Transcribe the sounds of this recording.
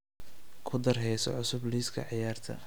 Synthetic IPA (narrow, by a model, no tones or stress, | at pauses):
kʰʊd̪ɐrɦɛjsɔ̰ʕʊsʊbliːskʰɐ̰ʕɪjaːrt̪ʰɐ̰